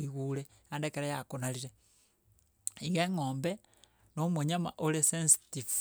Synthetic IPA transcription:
iɣule | andekeɾejakonaliɾe | iɣeŋoːmbe | nomeɲama̰ʔolesensi̥tiv

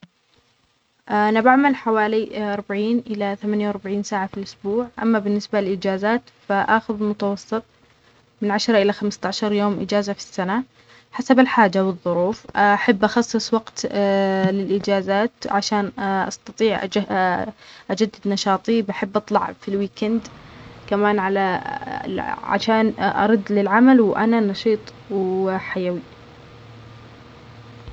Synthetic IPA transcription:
ʔʔanabaʕmalħawaːliʔɑɾˤbaʕiːnʔɪlaθamanjawɾbaʕiːnsaːʕafilʔʊsbuːʕʔa̰mːabɪnːɪsbalɪlʔɪd͡ʒaːzaːt̪ | faʔaxʊðlmʊt̪ɑwɑsˤːɨt̪ˤ | mɪnʕaʃɾˤɑʔɪlaxamst̪aʕʃɑɾˤjoːmʔɪ̰d͡ʒaːzafi̥sːana | ħasabɪlħaːd͡ʒawɨðˤːʊɾuːfaħabːʔɑxɑsˤːɨsˤwɑɡt̪ | lɪlʔɪd͡ʒaːzaːt̪ʕaʃaːnʔɑ̰st̪ɑt̪ˤiːʕʔ | ʔad͡ʒad̪ːɪd̪nɑʃɑːt̪ˤibaħɪbːʔɑt̪ˤlɑ̰ʕfilwiːkand̪kamaːnʕala̰ | ʕa̰ʃaːnʔɑ̰ɾˤɑd̪ːlɪlʕamalwʔa̰nanɑʃiːt̪ˤ | ħajawi

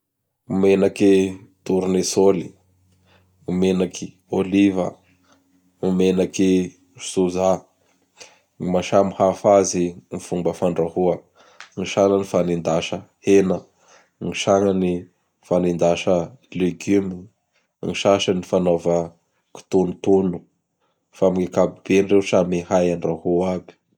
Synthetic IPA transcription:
umenakit̪uɾunesoli̥ | umenakʰi̥ | olivə̰ | umenaki̥ | suza | ŋimaʃamihafazimifumbəfaɳɖ͡ʐahuə | ŋiʃaŋanifanind̪aʃəhenə | ŋiʃaŋani | fanind̪aʃəleɡymi | ŋiʃaʃanifanovə | ki̥t̪unut̪onu | famiŋekabib̥enrewsamihajanrahuabi̥

